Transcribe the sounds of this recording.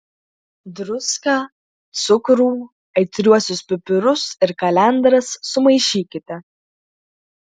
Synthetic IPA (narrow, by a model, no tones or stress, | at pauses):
d̪ɾʊskɑː | t̪sʊkɾuː | ɐɪt̪ʲɾʲuɔsʲʊspʲʊpʲʊɾʊsɪɾkɐlʲɛnd̪ɾɐsːʊmɐɪʃʲiːkʲɪt̪ʲɛ